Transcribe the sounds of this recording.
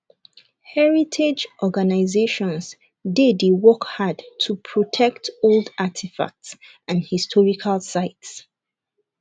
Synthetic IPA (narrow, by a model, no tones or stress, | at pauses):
hɛɹitʰed͡ʒʔɔɡanaɪzeʃɔ̃ns | dediwɔkhadtʰupʰɹɔtʰɛktolˠdatʰifa̰k̚ts | ãnhistʰɔɹikʰalˠsaɪts